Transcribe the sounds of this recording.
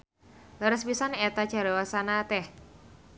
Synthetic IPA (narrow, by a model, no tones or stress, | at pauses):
laɾəspisanɛt̪ḁʒ̥a̤ɾawasanat̪ɛh